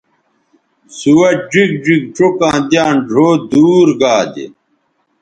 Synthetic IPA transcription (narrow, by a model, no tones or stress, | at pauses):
suwɐd͡ʑik̚d͡ʑik̚ʈ͡ʂokãːd̪jãːnɖʱoːd̪uːɾɡaːd̪ḛ